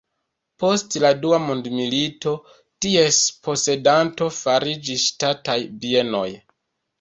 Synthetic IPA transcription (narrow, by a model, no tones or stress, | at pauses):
po̞stladuamondmilito̞ | tie̞spo̞se̞danto̞faɾid͡ʒisʃtatajbie̞no̞̰j